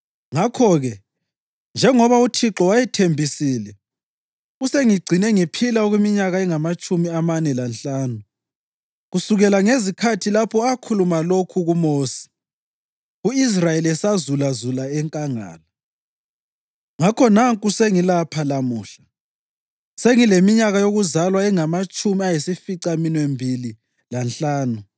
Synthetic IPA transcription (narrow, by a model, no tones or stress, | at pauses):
ŋakʰɔɣɛ | nd͡ʒʱɛŋɔβautʰiǁɔwajɛtʰembʱisiːlɛ | useŋiɡ͡ǀʱinɛŋipʰilaɔɣwimiɲaɣaɛŋamat͡ʃʼumiamanɛlanɬaːnu | ɣusuɣɛlaŋezikʰatʰilapʰɔakʰulumalokʰuɣumoːsi̥ | ɣuis̬rajelɛsazulazulaɛŋkʼaŋa̰ːla | ŋakʰɔnaŋkʼuseŋilapʰalamuːɬḁ | seŋilemiɲaɣajoɣuzalwaɛŋamat͡ʃʼumiajisifiǀaminwembʱili | lanɬʼaːnu